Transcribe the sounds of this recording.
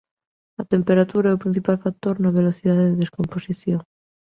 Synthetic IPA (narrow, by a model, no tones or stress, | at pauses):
at̪empeɾat̪uɾaɛopɾĩn̟θipalfak̚t̪oɾnaβeloθiðaðeðeðeskomposiθjoŋ